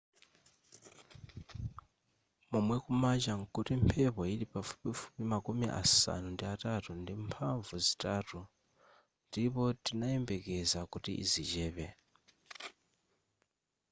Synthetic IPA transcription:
mumwɛkumat͡ʃaŋkutimpʰɛpɔiɾipafu̥pifu̥pimakumiʔa̰sa̰nundiatatundimpʰaɱvuzitaːtu | ndipɔtinaɛmbɛkɛzakutḭʔḭzit͡ʃɛːβɛ

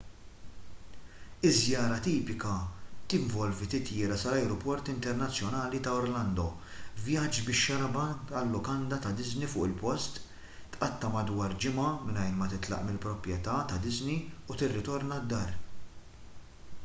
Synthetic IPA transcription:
ɪzjɐːɾɐt̪iːpɪkɐt̪ɪɱvɔlvit̪ɪt̪jɪːɾɐsɐlɐjɾɔpɔɾt̪ɪnt̪ɛɾnɐt͡sːjɔnɐːlit̪ɐɔɾlɐnd̪ɔ | vjɐd͡ʒbɪʃːɐɾɐbɐɐlːʊkɐnd̪ɐt̪ɐd̪ɪznifʊːʔɪlpɔst̪ | t̪ʔɐt̪ːɐmɐd̪wɐːɾd͡ʒɪmɐmɪnɐjnmɐt̪ɪt̪lɐ̰ʔmɪlpɾɔpɾjɛt̪ɐt̪ɐd̪ɪzniut̪ɪrːɪt̪ɔɾnɐd̪ːɐːɾ

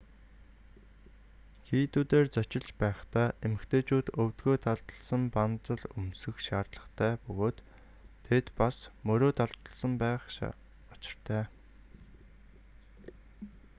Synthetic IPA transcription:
xiːt̪uːt̪eːrt͡sœt͡ɕɪ̆ɮt͡ɕpæːχt̪æːʔemɘ̆kt̪ʰeːt͡ɕuːt̪ɵwt̪ɡoːt̪ʰaɮt̪ə̆ɮsə̆mpant͡sə̆ɮɵmsɘ̆xʃaːrt̪ɮə̆χt̪ʰæːpɵɣoːt̪ʰː | et̪pasmɵɾoːt̪ʰaɮt̪ə̆ɮsə̆mpæːχ | ɔt͡ɕɪ̥̆r̥t̪ʰæː

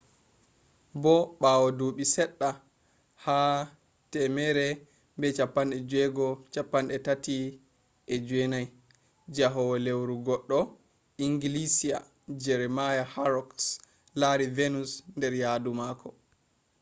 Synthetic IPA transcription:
bɔɓaːwɔduːɓisɛɗːa | ha | tɛmɛɾɛ | mbɛt͡ʃapːanɗɛd͡ʒwɛɡɔt͡ʃapːanɗɛtati | ʔɛd͡ʒuɛnaj | d͡ʒaɦɔwɔlewɾuɡɔɗːɔ | iŋɡilisia̰ | d͡ʒɛɾɛmajahaɾɔks | laɾivenusndɛɾjadumakʰɔ

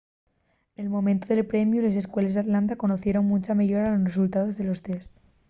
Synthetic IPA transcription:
e̞lmo̞mẽnt̪oðelpɾe̞mjule̞se̞skwe̞lzðat̪lant̪ako̞noθje̞ɾoŋmũt͡ʃameʝoɾalo̞sresult̪að̞o̞zðe̞lo̞st̪e̞st̪

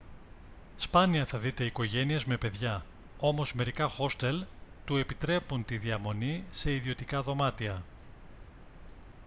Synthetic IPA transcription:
spɐniɐθɐðit̪e̞iko̞ʝe̞nie̞zme̞pe̞ðʝɐ | o̞mo̞zme̞ɾikɐxo̞st̪e̞lt̪ue̞pit̪ɾe̞punt̪iðiɐmo̞nise̞iðio̞t̪ikɐðo̞mɐt̪iɐ

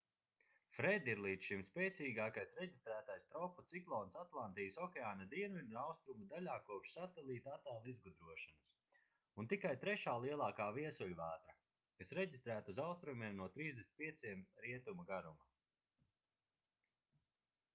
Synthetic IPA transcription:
fɾɛd̪iɾlˠiːd̪ʃimspʲɛːt̪siːɡaːkajsɾeɟist̪ɾæːt̪ajst̪ɾɔpːut̪siklˠɔːnsat̪lˠant̪iːusɔkʲɛaːnad̪iɛnvid̪uawst̪ɾumud̪alʲaːkuɔpʃsat̪ɛlˠiːt̪at̪aːlˠizɡud̪ɾuɔʃanus | unt̪ikajt̪ɾɛʃaːlˠiɛlˠɑːkaːviɛsulʲuvaːt̪ɾa | kasɾɛɟist̪ɾæːt̪uzawst̪ɾumiɛmnuɔt̪ɾiːzd̪esn̚ʲpiɛt̪siɛmɾiɛt̪umuɡaɾuma

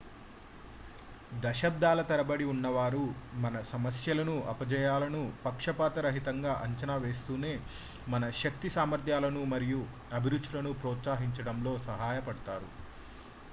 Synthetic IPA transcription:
d̪ɐʃɐb̚d̪ʱaːlɐt̪ɐɾɐbɐɽiunːɐʋaːɾumɐnɐsɐmɐsjɐlɐnuʔɐpɐd͡ʒɐjaːlɐnupɐkʂɐpaːt̪ɐɾɐɦit̪ɐŋɡaːʔɐɲt͡ʃɐnaːʋe̞ːst̪uːne̞ː | mɐnɐʃɐk̚t̪isaːmɐɾd̪ʱjaːlɐnumɐɾiju | ɐbʱiɾud̪t͡ʃːulɐnupɾɔːt̪saːɦiɲt͡ʃɐɽɐmlo̞ːsɐɦaːjɐpɐɽɐt̪aːɾṵ

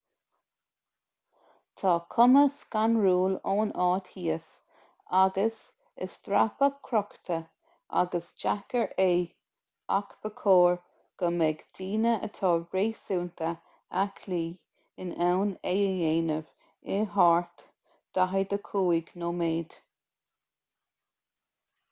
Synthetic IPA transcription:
t̪ʰɑːkʰʊməskanɹuːloːnɑːt̪hiːəs | aɡəs | ə̰st̪ɾapəkʰɾɔkt̪ʰə | ʔa̰ɡəsd͡ʒakəɹʔeː | a̰kb̥əkʰoːɹ | ɡ̥əmɛɡd̪iːnəʔə̰t̪ʰɑːɹeːsuːnt̪ʰə | akʰliː | ɪnɛwneəjeːnəv | ɪɦaɹt̪ | d̪̥aɦəd̪əkʰuːɪɡnoːmeːd̪̥

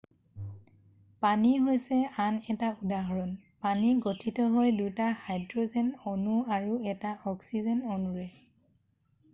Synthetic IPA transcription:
paniɦojsɛanɛtaudaɦɔɹɔnpaniɡotʰitɔɦojdujtahajdɹozɛnɔnuaɹuɛtaɔksizɛnonuɹɛ

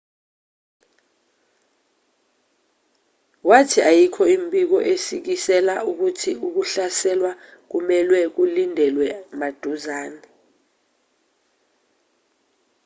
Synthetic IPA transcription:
watʰiʔajikʰɔimbʱʼik̬ɔʔesik̬isɛlauk̬utʰiuk̬uɬasɛlwa | k̬umɛlwɛk̬ulindʱɛlwɛmad̥ʱuzaːnɛ

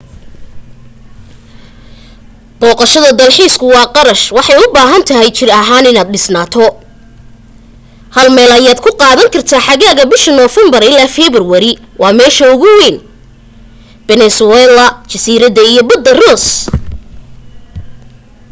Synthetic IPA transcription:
b̥ɔːqɑʃɐðɐd̪ɐlħiːskʰʊwɑːqɑɾɐʃwɑħɑjʊbaːɦɐnt̪ʰɐɦɛjt͡ʃɪrɐɦaːnɪnaːd̪̚ɖɪsnaːt̪ʰɔ | hɐlmɛːlɐjaːd̪kʰʊqɑːðɐŋkʰɐrt̪ʰaːħɑɣaːɣɐbɪʃɐnɔfɛmbɐrɪlaːfɛːβɪrwɐɾɪ | wʔɑːmɛːʃɐʊɣʊwɛːn | b̥ɛnɛsʊɛlɐt͡ʃɐsiːɾɐðɐijɔbɐd̪ːɐrɔːs

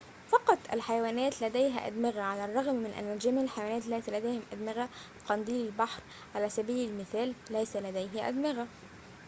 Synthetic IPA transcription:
fɑqɑt̪ˤʔæ̰lħajawæːnæːt̪læd̪æjɦæ̰ʔæ̰d̪mɪɣæʕalærˤːɑɣmːɪnʔæ̰nːæld͡ʒæmʕɪlħajawæːnæːt̪læjt̪læd̪æjhɪmʔæd̪mɪɣæ | q̪ɑnd̪iːlɪlbɑħɾ | ʕalæːsæbiːlɪlmɪθæːlːæjsælæd̪æjɦɪʔæ̰d̪mɪɣæ

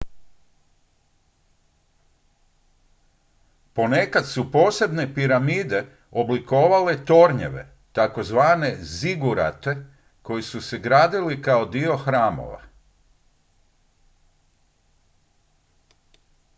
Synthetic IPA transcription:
po̞ne̞kat̪supo̞ːse̞bnepiɾamiːd̪e̞ | o̞bliko̞ːʋale̞t̪o̞ɾɲḛʋe̞̰ | t̪ako̞zʋaːne̞ziɡuɾa̰t̪e̞ | ko̞jisuse̞ɡɾaːd̪ilikao̞d̪io̞xɾaːmo̞̰ʋa̰

